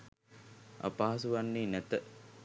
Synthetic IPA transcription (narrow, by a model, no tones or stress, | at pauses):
a̰paːɦsuʋanːiːnæt̪ə